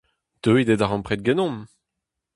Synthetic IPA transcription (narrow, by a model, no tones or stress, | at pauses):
d̪̥øid̪ed̪aʁɑ̃pχɛt̪̚ɡɛnɔ̃m